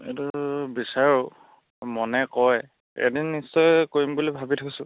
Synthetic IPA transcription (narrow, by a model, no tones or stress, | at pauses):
ḛtubisaɹu | mɔnɛkɔj | ḛdinːisɔjkoɹimbulibʱabitʰakisʊ̃